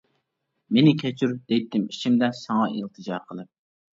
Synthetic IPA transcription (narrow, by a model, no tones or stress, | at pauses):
menɪkʲʰɛt͡ʃʰyɾd̪̥ɛjt̪ʰːɪmiʃimd̪ɛsɑŋɑilˠt̪ʰɨd͡ʒɑɾqʰəlˠɨp̚